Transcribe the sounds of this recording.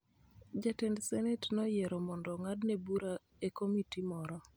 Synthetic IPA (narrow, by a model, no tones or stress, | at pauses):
d͡ʒatɛndsɛnɛtnɔjɛɾɔmɔndɔŋadnebuɾa | ekomitimɔɾɔ